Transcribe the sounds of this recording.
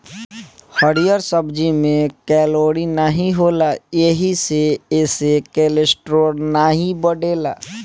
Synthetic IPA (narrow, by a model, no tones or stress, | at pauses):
həɽijəɾsəbd͡ʒimẽkɛːloːɽinaɦiɦoːlajeɦiseeːsekeːlesʈɾoːɽnaɦibəɖeːlaː